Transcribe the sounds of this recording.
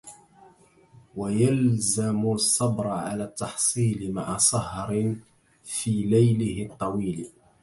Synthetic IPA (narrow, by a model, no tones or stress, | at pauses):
wajalzamʊsˤːɑbɾˤʕalaːt̪ːɑħsˤiːlmaʕasˤɑhɾ | fiːlajlɪhɪt̪ˤːɑwiːl